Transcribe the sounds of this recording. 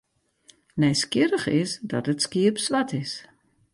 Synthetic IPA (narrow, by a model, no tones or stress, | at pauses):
nɛjskɪɾəχɪ̰sdɔ̰tətskiəpsʋatʰɪs